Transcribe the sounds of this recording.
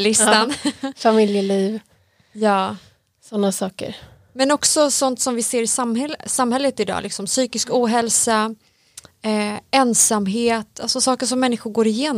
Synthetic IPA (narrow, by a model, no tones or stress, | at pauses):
lɪst̪anfamɪljəliːv | jɑː | sɔnːasɑːkə̰ɾ | mɛnɔksɔsɔnt̪sɔmvɪseːɾɪsamhɛlsamhɛlːət̪ɪd̪ɑ̰ːlɪksɔmsyːkɪskuːɦɛlsa | ɛɛnsamɦeːt̪alsɔsɑːkəʂɔmːɛnːɪɧʊɡoːɾɪjeːn